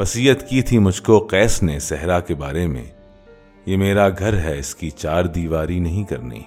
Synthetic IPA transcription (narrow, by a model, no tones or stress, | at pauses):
ʋɐsiːɦət̪kit̪ʰimʊd͡ʒʱkoqɛːsnesɛɦɾakeba̰ːɾemḛ̃ | jemeːɾaɡʱɐɾɦɛɪskit͡ʃaːɾd̪iːʋaːɾinɐɦĩkɐ̰ɾnḭː